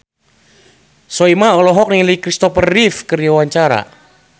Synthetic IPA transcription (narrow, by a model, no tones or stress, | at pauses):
sɔimaɔlɔɦɔk̚niləikɾist̪ɔpərifkəriawaɲt͡ʃaɾa̰